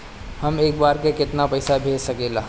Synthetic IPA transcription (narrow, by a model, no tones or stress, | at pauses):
hɐmeːk̚baːɾkekɪt̪napɐɪsabʱeːd͡ʒsɐkeːlaː